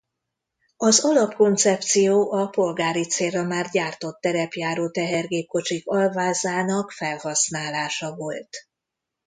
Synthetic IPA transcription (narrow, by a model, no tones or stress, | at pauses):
ɒzɒlɒpko̞nt̪sɛp̚t̪sijoːʔɒpo̞lɡaːɾit̪seːrːɒmaːrɟaːrt̪o̞t̪ːɛɾɛpjaːɾoːt̪ɛɦɛrɡeːp̚ko̞t͡ʃikɒlvaːzaːnɒkfɛlhɒsnaːlaːʃɒvo̞lt̪